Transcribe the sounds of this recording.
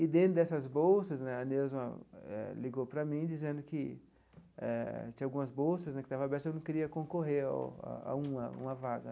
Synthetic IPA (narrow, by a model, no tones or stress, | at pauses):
ɪd̪ẽnt̪ɾʊd̪ɛsɐzbowsɐsnɛɐnewz̃ɐ̰ɛ̰liɡowpɾɐmĩd͡ʒizẽnd̪ʊkɪ | ɛ̰t͡ʃ̪ĩɐawɡũmɐzbowsɐsnɛkɪ̥t̪avɐabɛɾt̪ɐewnɐ̃w̃keɾiɐkõkoɦeɾa̰a̰a̰ũɐṵ̃mɐvaɡɐ